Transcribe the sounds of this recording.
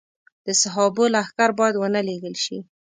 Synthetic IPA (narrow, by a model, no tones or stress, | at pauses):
d̪̥əsaɦɑbolaaxkaɾbɑjad̪wənəleɡəlʃḭ